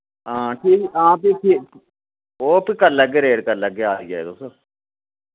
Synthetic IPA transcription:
ãːʈʰiːkãːpɪpʰɪ | oːpʰɪkəɾləɡeːɾeːɽkəɾləɡeaːd̪iːd͡ʒa̰ːḛːt̪ʊso

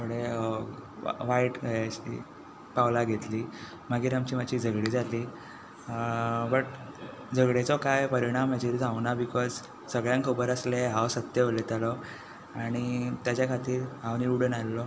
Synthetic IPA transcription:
məɽe | ʋaiʈɕḭ | pawlaɡʱet̪liː | maɡiːɾamt͡ɕiːmat͡ɕiːd͡zʱəɡɽiːd͡zaliː | bəʈ | d͡zəɡɭet͡sɔkajpəɾiɽ̃amːad͡ʑeɾid͡zʱaʋnabikɔd͡z | səɡɭjãŋkʰəbəɾəsleɦawsət̪jəʋəlet̪alɔ | aɽ̃it̪jat͡ɕjakʰat̪iːɾɦãwniuɽenalːɔ

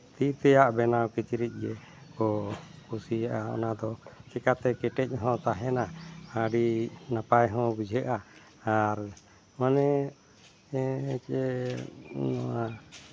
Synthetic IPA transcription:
t̪it̪ɛjaʔbɛnawkit͡ʃɾic̪̚ˀɡɛ | kɔkusijaʔaɔ̰nad̪ɔt͡ʃɛkat̪ɛkɛʈɛc̚ˀɦɔ̃t̪aɦɛnaaɖinapajɦɔ̃bud͡ʒʱɛʔaː | ɾ | manɛ | t͡ʃɛ | nɔwa

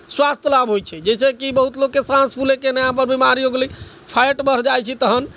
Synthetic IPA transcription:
swast̪ʰjəlabɦojt͡ʃʰɛd͡ʒɛsekibəɦut̪lokːesãspʰulekenəjãp̬əɾbimaɾiɦoɡli | pʰajʈbəɾd͡ʒajt͡ʃʰit̪əɦən

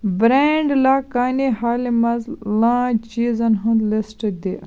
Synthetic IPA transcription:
bɾeɳɖlaːkaːnihaːlimɐzlãːt͡ʃiːzɐnɦɐ̃nd̪lesʈɐd̪e

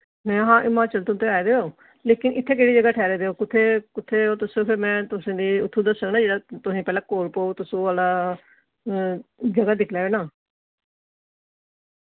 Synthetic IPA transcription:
nɛ̃ːɦãːʔɪmãːt͡ʃəlt̪ʊ̃nt̪ʰeːaːed̪eːoː | leːkɪnɪt̪ʰːeːk̬eːɽiːd͡ʒəɡaːʈʰɛːɾeːd̪eːoːkɪt̪ʰːeːkʊt̪ʰːeːoːt̪ʊsõːpʰɪɾmɛ̃ːt̪ʊsẽːd̪iːʊt̪ʰːuːd̪əssəknaːd͡ʒeːɽaːt̪ʊsĩːpɛːlãːkoːɾpoːt̪ʊsõːaːla | d͡ʒəɡaːd̪ɪkʰleːeːnaː

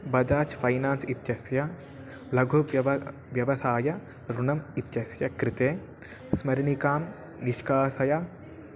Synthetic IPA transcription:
bɐd͡ʒaːt͡ʃpʰɐjnaːnsit̪jɐsjɐ | lɐɡʱu | ʋjɐʋɐsaːjɐ | ɾunɐmit̪t͡ʃɐsjɐkɾit̪eː | smɐɾinikaːm | niʃkaːsɐjɐ

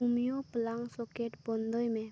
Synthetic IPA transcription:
umijoplaŋsɔkeʈbɔnd̪ʱɔjmẽ

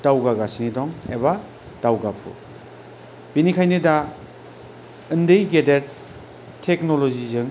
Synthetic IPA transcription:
d̥awɡaɡasinidɔŋḛba | d̥awɡapʰṵ | b̥inikʰajnɯda | ɯndejɡedeɾt | tʰeknolozizɯŋ

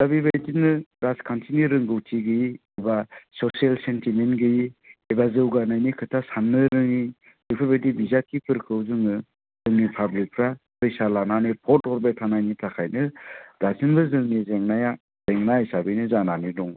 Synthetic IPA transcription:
sabibajdinɯɾaskʰantʰiniɾɯŋɡɯwtʰiɡɯjiebasɔsialsentimenɡɯjiebazɯwɡanajnikʰɯtʰasanːɯɾɯŋi | bipʰabajdibizakʰipʰɯɾkʰɯwzɯŋɯ | zɯŋnipʰablik̚pʰɾa | pɯjsalananɯpʰɔtɔɾbajtʰanajnitʰakʰajnɯdasinbɯzɯŋnizeŋnaja | z̥eŋnajsabɯjnɯzananidɔŋ

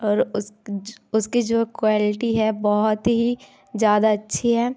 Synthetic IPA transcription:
ɔːɾʊsʊskid͡ʒoːkwaːlɪʈiɦɛbɔɦʊt̪ɦi | d͡ʒjaːd̪aɐtːʃʰeɦɛː

